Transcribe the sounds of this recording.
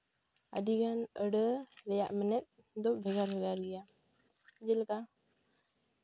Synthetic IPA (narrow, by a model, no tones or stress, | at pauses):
a̰diɡanəɖəɾɛja̰ʔmənɛt̪̚ | d̪ɔbʱɛɡaɾbʱɛɡaɾɡɛja | d͡ʒɛlka